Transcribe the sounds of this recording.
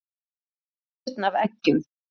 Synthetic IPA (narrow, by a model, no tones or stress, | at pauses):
t̪navɛcːʏm